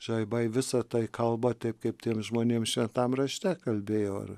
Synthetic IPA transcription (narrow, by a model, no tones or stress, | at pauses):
ʒɐɪbɐɪʋʲɪsɐt̪ɐɪkɐlˠbɐt̪ʲɛɪp̚kɐɪp̚tʲiːɛmʒmoːnʲeːmʃʲʋʲɛnt̪ɐmrɐʃʲt̪ʲɛkɐlʲbʲeːjoːɐ̰r